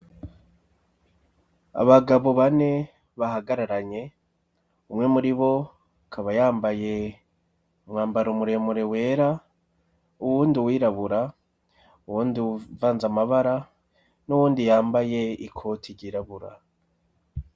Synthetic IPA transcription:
a̰βaɡaβo̞βane̞ | βaɦaɡaɾaɾaɲe̞ | umŋe̞muɾiβo̞ | kʰaβajaːmbaje̞ | umŋaːmbaɾomuɾe̞muɾe̞we̞ːɾa | uwuːndiwiːɾaβuɾa | uwuːndiuvaːnzamaβaɾa | nuwuːndijaːmbaje̞ikʰo̞tʰiɾɟiːɾaβuɾa̰

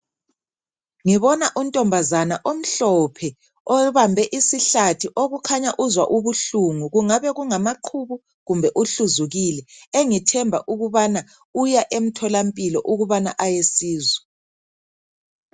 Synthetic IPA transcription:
ŋiβɔnaʔuntʼɔmbʱazanaʔom̩ɬɔpʰɛ | ɔβambʱɛʔisiɬatʰiʔoɣukʰaɲaʔuzwa̰ʔuβuɬuŋuɣuŋaβɛɣuŋamaǃʰuβu | ɣumbʱɛʔuɬuzuɣilɛeŋitʰɛmbʱa̰ʔuɣuβana | ujaʔem̩tʰɔlampʼilɔʔuɣuβana̰ʔajesiːzwɛ

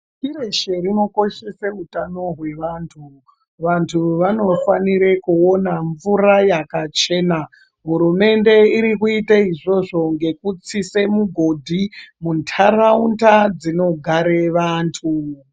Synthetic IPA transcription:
kiɾeʃerino̞ko̞ʃe̞seɦutano̞ɦwe̞ʋantʰu | ʋantʰuʋano̞faniɾe̞kuo̞naɱvuɾajakat͡ʃe̞ːna | ɦuɾume̞nde̞iɾikuitaiʐo̞ʐo̞ŋɡe̞kut͡sisemuɡʱo̞dʱimuntʰarauntad͡zino̞ɡʱaɾeʋaːntʰu

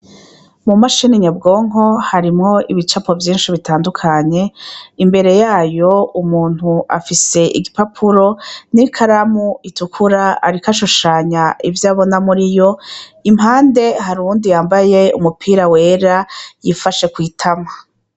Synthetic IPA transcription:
mumaʃiniɲabɡo̞ːŋ̥o̞haɾimŋo̞ʔiβit͡ʃapo̞vjiːnʃiβitaːndukʰaɲe̞imbe̞ɾe̞jaːjo̞umuːn̥huʔafise̞ʔiɡipapʰuɾo̞nikʰaɾamuitukʰuɾaːɾikaʃuʃaɲaʔivjaːβo̞namuɾijo̞imhaːnde̞haɾundijaːmbaje̞ṵmupʰiːɾawe̞ːɾajifaʃe̞kwiːtʰama

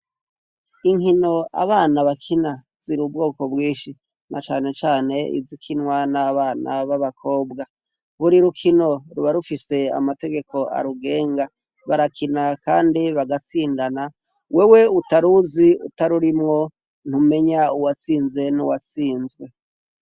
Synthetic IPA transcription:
iŋhino̞a̰βaːnaβakʰina | z̥iɾubɡoːko̞bɡiːʃi | nʔat͡ʃaːne̞t͡ʃaːne̞ḭzikʰinŋwanaβaːnaβaβakʰo̞ːbɡa | βuɾiɾukʰino̞ɾuβaɾufise̞a̰mate̞ɡe̞ko̞a̰ɾuɡe̞ːŋɡa | βaɾakʰinakaːndiβaɡat͡siːndana | we̞we̞utaɾuziṵtaɾuɾimŋo̞ | n̥hume̞ɲauwat͡siːnze̞nuwat͡siːnzɡwe̞

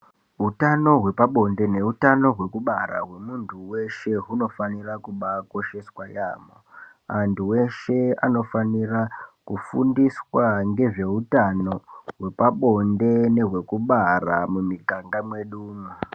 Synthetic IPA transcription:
ɦutano̞ɦwe̞paɓo̞nde̞ne̞utano̞ɦwe̞kuɓaɾa̰ɦwe̞muntʰuwe̞ʃe̞ɦuno̞fanirakuɓako̞ʃe̞swaja̰ːmo | antuwe̞ʃe̞a̰no̞fanirakufundiswaŋɡe̞ʐe̞utano̞ɦwe̞paɓo̞nde̞ne̞ɦwe̞kuɓaramumiɡʱaŋɡamwe̞ɗuːma

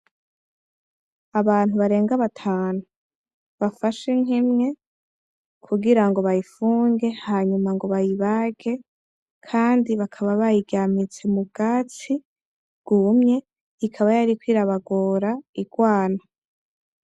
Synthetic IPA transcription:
aβaːn̥uβaɾe̞ːŋɡaβatʰaːnu | βafaʃeŋ̥imŋe̞ | kʰuɡiɾaŋɡo̞βajifuːŋɡe̞haːɲumaŋɡo̞βajiβaɡe̞ | kʰaːndiβakʰaβaβajiɡamit͡simuɡ̥aːt͡si | ɡ̥umɲe̞ | ikʰaβajaɾikwiːɾaβaɡoːɾaiɡ̥waːna

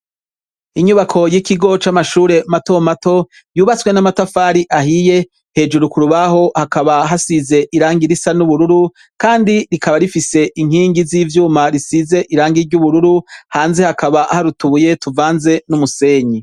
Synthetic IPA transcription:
iɲuβakʰo̞jikiɡo̞t͡ʃamaʃuːɾe̞mato̞mato̞ | juːβat͡swe̞namatafaːɾiʔaɦije̞ | he̞ːd͡ʒuɾukuɾuβaɦo̞hakaβaɦasize̞ʔiɾaːŋɡiɾisanuβuɾuɾu | kaːndiɾikaβaɾifise̞ʔiŋ̥iːŋɡiziːvjuːmaɾisize̞ʔiɾaːŋɡiɾɟuβuɾuɾuhaːnze̞hakaβaʔhaɾutuβuje̞tuvaːnze̞numuse̞ːɲi

